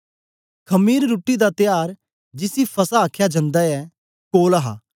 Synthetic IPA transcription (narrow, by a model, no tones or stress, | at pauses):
kʰɐmiːɾːuːʈid̪at̪ɪjaːɾ | d͡ʒɪsipʰɐsaːkʰjad͡ʒɐ̃nd̪aɛ | koːlaɦa̰ː